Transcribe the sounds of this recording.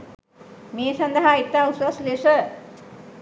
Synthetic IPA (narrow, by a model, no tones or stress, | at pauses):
mesʌnd̪aɦait̪ːausʌslesʌ